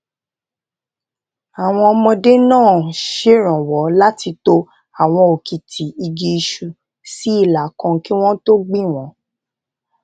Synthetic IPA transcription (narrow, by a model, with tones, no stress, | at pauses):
a˨w̃ɔ̃˧ɔ˧mɔ̃˧de˦nãː˦˨ʃe˦ɾ̃ã˨wɔ˨˦la˦ti˧to˧ | a˨w̃ɔ̃˧o˨ki˨tʰi˨˦i˧ɡe˧i˧ʃu˨ | si˨˦i˦˨la˨kã˧˦ki˦w̃ɔ̃˦to˦ɡ͡bĩ˦˨w̃ɔ̃˨˦